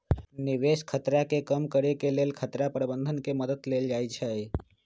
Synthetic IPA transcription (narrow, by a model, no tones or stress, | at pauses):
niʋeskʰət̪ɾakekəmkəɾekelelkʰət̪ɾapɾəbənd̪ʱənkeməd̪əd̪leld͡ʒajt͡ʃʰɛe